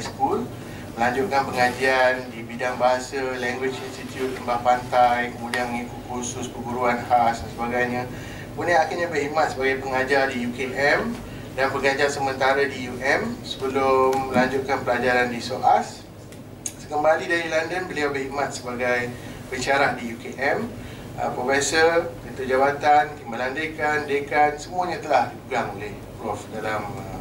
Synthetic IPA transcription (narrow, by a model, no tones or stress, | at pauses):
sə̥kul | mə̃laɲd͡ʒut̪̚kanpəŋad͡ʒiandibidaŋbaɦasəlɛŋɡwɪt͡ʃinst̪it̪jut̪̚ləmbahpant̪ajkəmũdianməŋikʊt̪̚kʰusʊspəɡuɾuanhasdansəbaɡajɲã | kunəakɪʔɲabərhik̚mat̪̚səbaɡajpəŋad͡ʒardijukeɛm | danpəŋad͡ʒasəmə̃nt̪aɾadijuʔɛmsəbəlʊmməlaɲd͡ʒut̪̚kanpəlad͡ʒaɾandisoʔas | səkəmbalidaɾilandənbəliawbərhik̚mat̪̚səbaɡajbət͡ʃaɾaʔdiukeʔɛm | ə̰pɾofɛsərkət̪ud͡ʒabat̪ant̪imbalandekandekansəmũaɲãt̪əlahdipəɡaŋoleh | ɡɾɔfdalamə